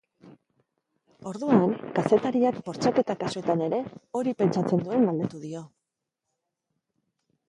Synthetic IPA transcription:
o̞ɾðuaŋkase̞t̪aɾiakbo̞ɾt͡sake̞t̪akasoe̞t̪ane̞ɾe̞o̞ɾipe̞nt͡ʃat͡se̞nd̪ue̞mɡald̪et̪uðio̞

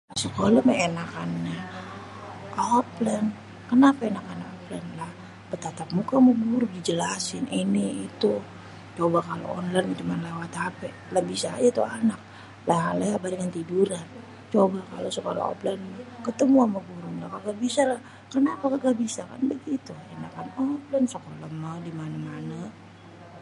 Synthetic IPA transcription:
lasəkolaməenakanːa | oplən | kənapaenakanakoplənlah | pət̪at̪ap̚mukaməɡuɾudid͡ʒəlasɪniniit̪u | t͡ʃobakalo̰ɔnlant͡ʃumanlewat̪apɛ | lahbisa̰ːd͡ʒat̪uanak̚ | laɦalaabadəŋant̪iduɾan | t͡ʃobakalosokola̰ɔ̰planmkət̪əmuanməɡuɾuŋlakaɡaʔbisalah | kənapakaɡabisaka̰nbəɡit̪uɛnakanɔplənsokolamədimanamana

